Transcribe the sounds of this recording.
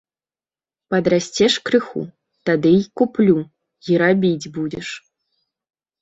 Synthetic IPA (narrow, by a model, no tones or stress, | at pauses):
pɐd̪ɾasʲt͡sʲɛʂkɾɨxṵ | t̪ad̪ɨjkuplʲu | iɾabʲid͡zʲbud͡zʲɛʂ